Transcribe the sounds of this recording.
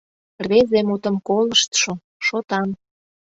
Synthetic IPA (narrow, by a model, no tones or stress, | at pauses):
rβezemut̪ə̆mkoləʃt̪ʃo | ʃot̪ɑn